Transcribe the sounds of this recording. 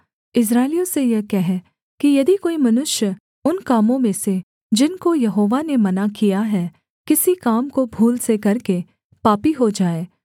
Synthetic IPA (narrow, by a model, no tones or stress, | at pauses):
ɪs̬ɾaːɪlijõsejɛkɛɦɛ | kijɐd̪ikoːimɐnʊʃjə | ʊnkaːmõmẽse | d͡ʒɪnkojɐɦoːʋanemɐnakijaɦɛ | kɪsikaːmkobʱuːlsekɐɾke | paːpiɦod͡ʒaːeː